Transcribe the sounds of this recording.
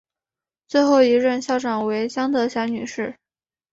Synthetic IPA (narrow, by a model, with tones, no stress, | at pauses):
t͡swe˥˧ɪxo˥˩ʊi˧˥ɻə˥˧nɕjɑ˥˩ʊʈ͡ʂɑ˨˩ŋwe˧˥ɪt͡ɕjɑ˥ŋd̪ɤ˧˩ɕjɑ˧˥ny̰˨˩ʂɻ̩˥˩